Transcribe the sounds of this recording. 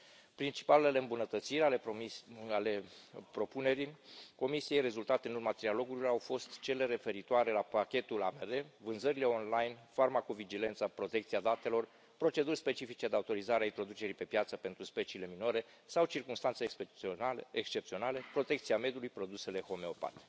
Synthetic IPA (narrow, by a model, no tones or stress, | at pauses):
pɾint͡ʃi̥paleleleɨmbunət̪ət̪siɾale | ale̞pɾo̞pune̞ɾiko̞misije̞jre̞zult̪at̪e̞ɨnurmat̪ɾialo̞ɡulilo̞rawfo̞st̪t͡ʃe̞le̞ɾe̞fe̞ɾit̪oaɾe̞lapakʲe̞t̪ula̰meɾe̞vɨnzəɾile̞o̞nlajnfarmakovid͡ʒile̞nt̪sapɾo̞t̪e̞k̚t̪siad̪at̪e̞lo̞r | pɾo̞t͡ʃe̞d̪urʲspe̞t͡ʃifit͡ʃe̞d̪eaut̪o̞ɾizaɾeaint̪ɾo̞d̪ut͡ʃe̞ɾipe̞pjat̪səpe̞nt̪ɾuspe̞t͡ʃiːle̞mino̞ɾe̞ | sawt͡ʃirkumst̪ansekseekst͡ʃe̞p̚t̪sio̞nale̞pɾo̞t̪e̞k̚t̪siame̞d̪julujpɾo̞d̪use̞le̞ho̞me̞o̞pa̰t̪e̥